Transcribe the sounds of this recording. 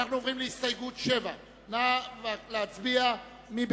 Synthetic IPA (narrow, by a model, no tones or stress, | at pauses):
aʁnovʁimliist̪ajɡut̪ʃɛva | navalat͡sbia | mib